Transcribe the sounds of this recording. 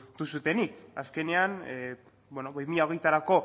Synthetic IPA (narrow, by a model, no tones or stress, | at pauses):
t̪usut̪e̞nikaske̞ne̞an | bwenoβimiʎaoɣ̞e̞jt̪aɾako̞